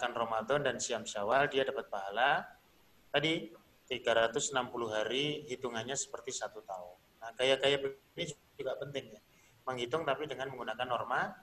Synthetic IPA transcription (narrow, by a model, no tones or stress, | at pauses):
kanromat̪ɔndansiamsiawaldiadapat̪̚paɦala | t̪adi | t̪iɡaɾat̪ʊsənampuluɦaɾihit̪uŋaɲasə̥pərt̪isat̪ut̪aʊnːahkajakajabənid͡ʒ | uɡapənt̪ɪŋa | məŋɦit̪ʊŋt̪apidəŋanməŋɡunakanːɔrma